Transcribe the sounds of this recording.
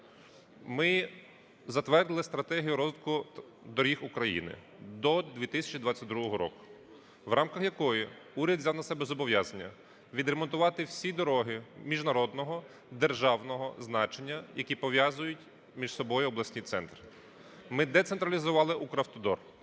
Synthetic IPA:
mɪ | zɐt̪ʋɛrd̪ɪlˠɪst̪ɾɐt̪ɛɦʲijʊɾɔzɪt̪kʊ | d̪ɔɾʲixʊkɾɐjḭnɪ̰ | d̪ɔd̪ʲʋʲit̪ɪsʲɐ̥t͡ʃid̪ʋɑt͡sʲːɐt̚ʲd̪ɾuɦɔɦɔɾɔ̰kʊ̥ | ʋrɑmkɐxjɐkɔjiuɾʲɐd̪zʲawnɐsɛbɛzɔbɔʋʲjazɐnʲːɐ | ʋʲid̪ɾemɔnt̪ʊʋɑt̪ɪwsʲid̪ɔɾɔɦɪmʲiʒnɐɾɔd̪nɔɦɔ | d̪erʒɑwnɔɦɔznɑt͡ʃenʲːɐjɐkʲipɔʋʲjɑzʊjʊtʲ | mʲiʃsɔbɔjʊɔblˠɐsʲnʲit̪sɛnt̪ɾɪ | mɪd̪ɛt̪sent̪ɾɐlʲizʊʋɑlˠɪʔukɾɐft̪ɔd̪ɔr

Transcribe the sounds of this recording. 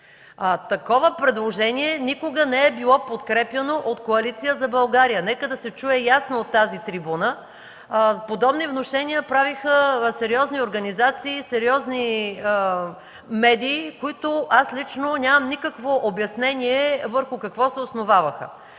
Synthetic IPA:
t̪ɐkɔvəpɾɛd̪lˠoʒɛniɛnikoɡənɛɛbilˠɔpot̪kɾɛpjɐnoʔot̪koɐlit̪sijəzɐbɐlˠɡaɾijənɛkəd̪ɐsɛt͡ʃuɛjasnoot̪ːazit̪ɾibunə | pod̪ɔbnivnoʃɛnijəpɾavixəsɛɾiɔznioɾɡɐnizat̪siːsɛɾiɔzni | mɛd̪ʲiːkoit̪ʊʔaslit͡ʃnonʲamɐmnikəkvoʔobjɐsnɛnʲiɛvəɾxʊkɐkvɔsɛosnovavɐxə̰

